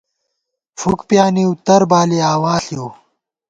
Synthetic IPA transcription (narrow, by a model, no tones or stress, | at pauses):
fukpjaːniwt̪ɐɾbaːliaːwaːɬju